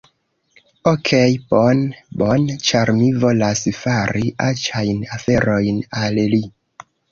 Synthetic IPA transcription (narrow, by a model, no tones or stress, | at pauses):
okʰejponbo̞nt͡ʃaɾmivo̞lasfaɾiʔat͡ʃajnafe̞ɾo̞jnalli